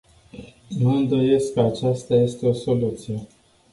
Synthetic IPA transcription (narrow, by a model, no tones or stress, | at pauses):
nuɨnd̪o̞je̞skːəat͡ʃast̪aje̞st̪e̞o̞so̞lut̪sije̞